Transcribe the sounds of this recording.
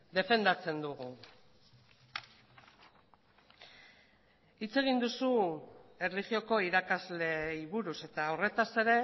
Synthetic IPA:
d̪e̞fe̞nd̪at͡se̞nd̪uɣ̞u | it͡se̞ɣ̞ind̪usue̞rliɣio̞ko̞iɾakazle̞iβuɾuse̞t̪aore̞t̪ase̞ɾe̞

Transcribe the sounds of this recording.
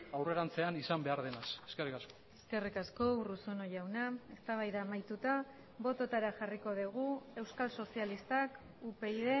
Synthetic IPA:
awre̞ɾant͡se̞anisambe̞aɾðe̞naseskerikasko̥e̞ske̞rikasko̞urusuno̞jawnae̞st̪aβ̞ajðaːmajt̪ut̪a | βo̞t̪o̞t̪aɾaxariko̞ð̞iɣ̞ue̞wskalso̞sialist̪ak | upe̞iðe̞

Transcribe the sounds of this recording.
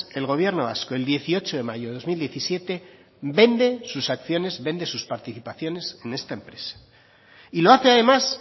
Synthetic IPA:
e̞lɣ̞o̞β̞je̞ɾnoβaskoe̞ld̪je̞θio̞t͡ʃo̞ðe̞maʝoðeðo̞zmild̪je̞θisje̞t̪e̞ | be̞nd̪e̞susakθjo̞ne̞zβe̞nd̪e̞suspaɾt̪iθipaθjo̞ne̞se̞ne̞st̪aempɾe̞̥sḁ | ilo̞aθeaðe̞mas

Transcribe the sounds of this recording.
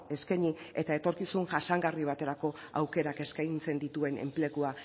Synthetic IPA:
e̞skeɲie̞t̪ae̞t̪o̞ɾkisunʝasaŋɡariβ̞at̪e̞ɾako̞ | a̰wke̞ɾake̞skajnt͡se̞nd̪it̪ue̞ne̞̰mple̞ɣua

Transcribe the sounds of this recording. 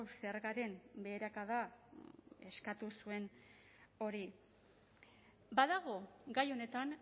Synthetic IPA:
seɾɣaɾe̞mbe̞ːɾakaða | e̞skat̪usue̞n | o̞ɾi | baðaɣ̞o̞ɡajo̞ne̞t̪aŋ

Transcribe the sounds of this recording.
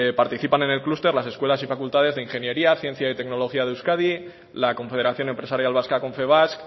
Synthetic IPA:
paɾt̪iθipane̞nelklust̪e̞ɾlase̞skwe̞lasifakult̪að̞e̞zðeinxe̞nje̞ɾiaθje̞n̟θjait̪e̞kno̞lo̞xiað̞ewskað̞i | lakõ̞ɱfe̞ð̞e̞ɾaθjo̞nempɾe̞saɾjalβaskako̞ɱfe̞β̞ask

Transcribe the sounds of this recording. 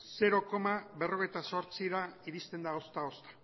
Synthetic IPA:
se̞ɾo̞ko̞maβe̞ro̞ɣ̞ejt̪aso̞ɾt͡siɾaiðist̪e̞nd̪ao̞st̪ao̞st̪ḁ

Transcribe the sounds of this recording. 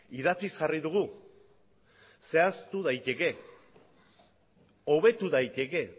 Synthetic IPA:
iðat͡sisʝariðuɣ̞u | se̞ast̪uðajt̪e̞ke̞ | o̞βe̞t̪uðajt̪e̞ke̞

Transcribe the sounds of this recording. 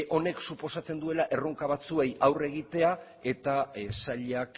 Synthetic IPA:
ʔo̞ne̞ksupo̞sat͡se̞nd̪ue̞laʔe̞roŋkaβ̞at͡sue̞jawre̞ɣ̞it̪e̞a | e̞t̪asaʎeak

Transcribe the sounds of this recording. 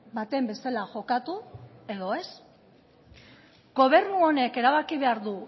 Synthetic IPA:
bat̪e̞mbe̞st̪elaʝo̞kat̪ue̞ðo̞e̞s | ɡo̞β̞e̞ɾnuo̞ne̞ke̞ɾaβakiβ̞e̞aɾðu

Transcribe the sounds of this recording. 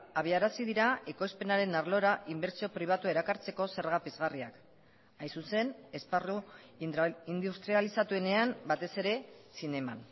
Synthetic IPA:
aβ̞iaɾasiðiɾae̞kojspe̞naɾe̞naɾlo̞ɾaʔimbe̞ɾt͡sio̞pɾiβ̞at̪ue̞ɾakaɾt͡se̞ko̞se̞ɾɣapezɣariak | ajsuse̞ne̞sparu | ind̪ust̪ɾialisat̪ue̞ne̞ambat̪e̞se̞ɾe̞sine̞ma̰n

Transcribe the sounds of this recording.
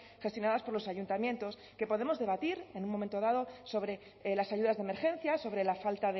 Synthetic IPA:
xe̞st̪jonaðaspoɾlo̞saʝunt̪amje̞nt̪o̞s | ke̞po̞ðe̞mo̞zðe̞β̞at̪iɾe̞nũmoment̪o̞ð̞aðo̞so̞βɾe | lasaʝuðazðeme̞ɾxẽ̞n̟θjaso̞βɾe̞lafalt̪aðe

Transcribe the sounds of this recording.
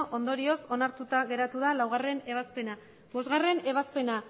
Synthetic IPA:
ʔo̞nd̪o̞ɾio̞so̞naɾt̪ut̪aɣe̞ɾat̪uðalawɣare̞ne̞β̞aspe̞na | βo̞zɣare̞ne̞βaspe̞na

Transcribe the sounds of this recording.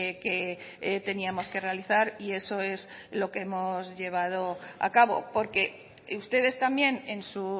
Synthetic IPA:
ke | t̪e̞niamo̞ske̞re̞aliθaɾie̞so̞e̞zlo̞keemo̞zʎe̞β̞að̞o̞a̰kaβo̞̰po̞ɾke̞ | ust̪e̞ð̞e̞st̪ambje̞ne̞nsu

